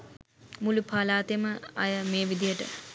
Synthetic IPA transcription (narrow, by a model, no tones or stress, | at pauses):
mulupʰaːlaːt̪eməɐjəmeːʋid̪ijəʈə̰